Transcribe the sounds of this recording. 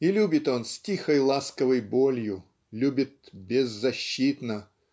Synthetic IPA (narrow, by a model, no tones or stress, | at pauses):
ilʲubʲɪt̪o̞nsʲtʲixəjlˠaskəvəjbolʲjʊ | lʲubʲɪt̪̚bʲɪzːɐɕːit̪nə